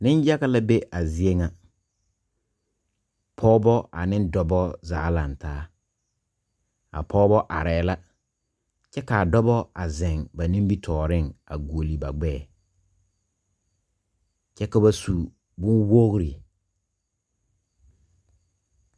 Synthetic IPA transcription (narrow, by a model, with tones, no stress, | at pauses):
nɪ̃˦n˦ja˦ɣa˦la˦be˦ʔa˨zɪ˨e˦ŋa˨ | pʰɔː˦bɔ˦a˨nɪ̃˦ndɔ˨bɔ˦zaː˨˦la˨n˨taː˦ | a̰˨pʰɔː˦bɔ˦ʔa̰˨ɾɛː˨˦la˦ | t͡ʃɛ˦ka˨dɔ˦bɔ˦a˨zɛ˨ŋba˨nĩ˦mbi˦tʰɔː˨ɾɪ˦˨ŋa˨ɡu˨o˨li˨ba˨ɡ͡bɛː˦˨ | t͡ʃɛ˦ka˨ba˨su˨ | bʊ˦nwo˦ɣɾi˨